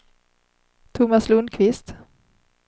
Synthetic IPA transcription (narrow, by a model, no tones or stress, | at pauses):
t̪ʰʊmaslɵnd̪kʰvɪst̪